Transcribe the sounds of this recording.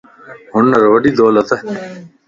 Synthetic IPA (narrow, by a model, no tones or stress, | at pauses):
ɦʊɳːɐɾʋɐɖid̪oːlɐt̪ɐ